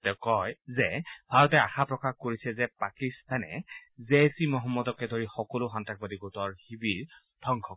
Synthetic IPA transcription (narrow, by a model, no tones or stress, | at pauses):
tɛʊkɔjzɛbʱaɹɔtɛaxapɹɔkaxkoɹisɛzɛpakistanɛ̰zesimɔɦɔmːɔdɔkɛdʱoɹixɔkɔlʊxantak̚badiɡotɔɹhibiɹ | d̥ʰʱɔŋkʰɔ